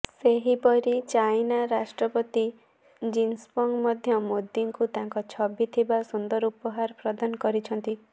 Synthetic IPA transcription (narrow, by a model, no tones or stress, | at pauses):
seɦipɔɾit͡ʃajnaɾasʈɾɔpɔt̪i | d͡ʒinspɔŋmɔd̪ʱjɔmod̪ːiŋkut̪aŋkɔt͡ʃʰɔbit̪ʰibasund̪ɔɾupɔɦaɾɔpɾɔd̪anɔkɔɾit͡ʃʰɔnt̪i